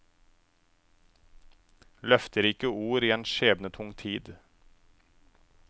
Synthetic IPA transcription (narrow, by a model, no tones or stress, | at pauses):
lœft̪əɾɪkəuːɾiːeːnʃeːbnət̪ʰʊŋt̪ʰiːd̪